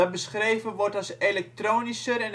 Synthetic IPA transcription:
ɔt̚bəsχreːvənʋɔrtaselɛk̚troːnisəɾɛn

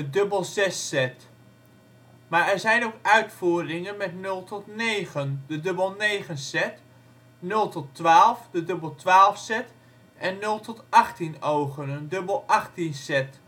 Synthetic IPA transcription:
ədɵbəlˠzɛsːɛt | maːɹɛɹzɛjnowkœɥtfuːrɪŋənmɛtnɵlˠtɔtnejχəndədɵbəlˠnejχənsɛt | nɵlˠtɔtʋaːlˠfdədɵbəlˠtʋaːlˠfsɛt | ʔɛnːɵlˠtɔtɑχtinowχənəndɵbəlˠɑχtinsɛt

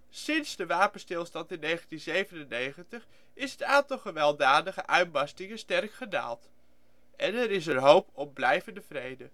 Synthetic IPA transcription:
sɪnzdəʋaːpənstɪlˠstɑntɪnːejχəntinzejvənənːejχəntəχ | ɪsɦətaːntɑlˠχəʋɛlˠdaːdəχəʔœɥt̚bɑstɪŋəstɛrkχəda̰ːlˠt | ɛnɛɾɪs̬ərɦowpɔmblɛjvəndəvrejdə

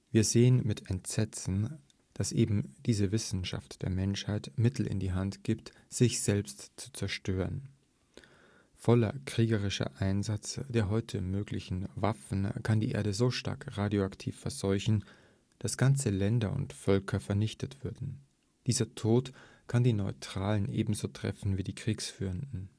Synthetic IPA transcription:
viːɐzeːənmɪtʰɛntz̥ɛt͡sn̩ | d̥asʔeːbm̩d̥iːzəvɪsn̩ʃa̰ftd̥eːɐmɛnʃhaɪtmɪtʰl̩ʔɪ̰ndiːɦantɡ̥iːpt | z̥ɪçz̥ɛlpstt͡su̥t͡sɛɐʃtøːʁən | fɔlɐ̰kʁ̥iːɡɐʁ̞ɪʃɐ̰ʔaɪnzat͡sd̥eːɐɦɔʏtʰəmøːɡlɪçn̩vafn̩kʰandiːʔḛːɐdəzoːʃta̰ɐkʁaːdjoaktʰḭːfːɛɐzɔʏçn̩ | d̥asɡ̥ant͡səlɛndɐʊ̰ntfœlkʰɐfɛɐnɪçtətv̥ʏɐdn̩ | d̥iːzɐtʰoːt | kʰandiːnɔʏtʁ̥aːlənʔḛːbm̩zoːtʁ̥ɛ̰fn̩viːdiːkʁ̥iːksfyːʁəndn̩

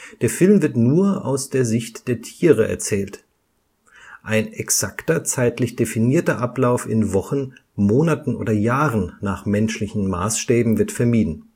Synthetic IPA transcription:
d̥eːɐfɪlmvɪɐtnuːɐʔa̰ʊsd̥eːɐzɪçtd̥eːɐtʰiːʁ̞əʔɛ̰ɐt͡sɛːlt | ʔaɪnɛksaktɐt͡saɪtlɪçd̥efiniːɐtɐʔaplaʊfɪ̰nvɔχn̩moːnatn̩ʔo̰ːdɐjaːʁənːaːχmɛnʃlɪçn̩ma̰ːsʃtɛːbm̩vɪɐtfɛɐmiːdn̩

